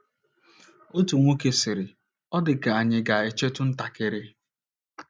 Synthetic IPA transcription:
o˦tu˨ŋʷo˦ke˦sɪ˨ɾɪ˨ | ɔ˦dɪ˨ka˨a˨ɲɪ˨ɡa˨e˨t͡ʃe˦tʊ˦n̩˦ta˨kɪ˨ɾɪ˦

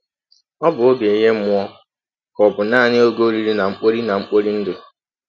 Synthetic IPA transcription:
ɔ˦bʊ˨o˦be˨ɲe˦m̩˦ʊ˦ɔ˦ | kɔ˨bʊ˨naː˦˨nɪ˦o˦ɡo˦ɾi˦ɾi˦na˨ŋ͡m̩˦k͡po˦ɾi˦na˨ŋ͡m̩˦k͡po˦ɾi˦n̩˦dɪ˨

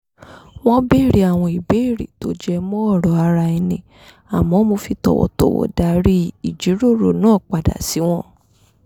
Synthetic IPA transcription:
w̃ɔ̃˦be˦˨ɾi˨˦a˨w̃ɔ̃˧i˨be˨˦˨ɾḭ˨to˦d͡ʒɛ˧mɔ̃˦ɔ˦˨ɾɔ˨a˧ɾa˧i˧nĩ˨ | a˨mɔ̃˨˦mo˧fi˧tɔ̰˨wɔ̰˨tɔ˨wɔ̰˨da˨ɾi˦i˨d͡ʒi˨˦ɾo˦˨ɾo˨nãː˦˨k͡pa˨da̰˨si˨˦w̃ɔ̃˦

